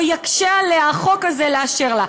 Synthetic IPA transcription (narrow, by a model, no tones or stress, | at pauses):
jakʃealeaχo̞kazeleaʃeʁla